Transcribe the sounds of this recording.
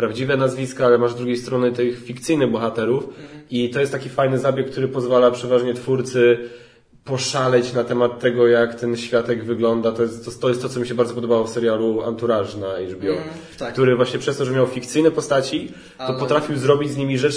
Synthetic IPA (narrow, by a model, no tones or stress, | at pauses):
pɾavd͡ʑivɛnazvʲiskaalɛmaʐzd̪ɾuɡʲjejst̪ɾɔnɘt̪ɘxfʲikt̪sɘjnɘɣbɔxat̪ɛɾufit̪ɔjɛst̪ːakʲifajnɘzabʲjɛkːt̪uɾɘpɔzvalapʂɛvaʐɲɛt̪fuɾt̪sɘ | pɔʂalɛt͡ɕnat̪ɛmat̪ːɛɡɔjakt̪ɛnɕfʲjat̪ɛɡvɘɡlɔnd̪at̪ɔjɛst̪ːɔt̪ːɔjɛst̪ːɔt̪sɔmʲiɕɛbaɾd̪zɔpɔd̪ɔbawɔfsɛɾʲjaluant̪uɾaʐnaiʐbʲjɔ | k̚t̪uɾɘvwaɕɲɛpʂɛst̪ɔʐɛmʲjawfʲikt̪sɘjnɛpɔst̪at͡ɕi | t̪ɔpɔt̪ɾafʲiwzɾɔbʲid͡ʑzɲimʲiʐɛt͡ʂ